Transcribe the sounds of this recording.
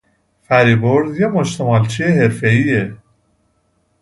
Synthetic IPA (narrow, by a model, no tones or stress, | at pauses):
fæɾiboɾd̪jemoʃt̪ʰemɑlt͡ʃʰieɦeɾfeie